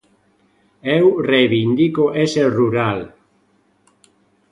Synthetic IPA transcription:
ewrejβind̪ikoʔeseruɾal

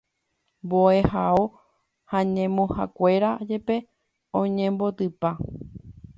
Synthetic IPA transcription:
boe̞hao | hãɲẽmõha̰kʷe̞ɾad͡ʒepe̞ | õɲẽmbo̞t̪ɨpa

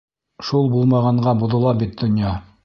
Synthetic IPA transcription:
ʃulˠbulˠmɑʁɑɴɢɑbuðŏlˠɑbit̪̚d̪ŏnjɑ

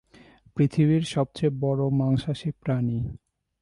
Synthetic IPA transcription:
pɾit̪ʰiβiɾʃɔb̚t͡ɕebɔɾomaŋʃaʃipɾani

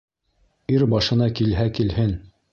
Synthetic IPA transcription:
iɾbɑʃɤ̆nɑkilɦækilhɘn

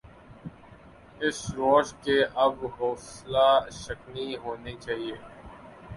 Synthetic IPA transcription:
ɪsɾoːʃkeʔɐbɦoːslaːʃəkniɦoːnet͡ʃaːɦieː

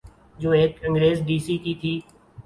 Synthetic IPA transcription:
d͡ʒoːeːkːə̃ŋɡɾeːsɖiːsiːt̪it̪ʰiː

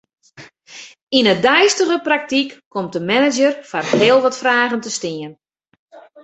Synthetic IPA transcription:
inədœjstəɣəprak̚tikːɔmtəmɛnɪd͡ʒərfarɦeːəlˠʋɔtfraːɣəntəstɪən

